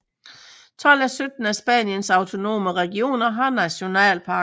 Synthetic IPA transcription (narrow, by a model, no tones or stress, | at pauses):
t͡sʰɒ̽l̰æsød̥n̩æsb̥æ̰njənsɑ̈ʊt͡sʰo̝no̝̰ːməʁɛɡ̥io̝̰ːnɐɦɑ̈næɕo̝nɛ̰ːlpʰɑ̈ː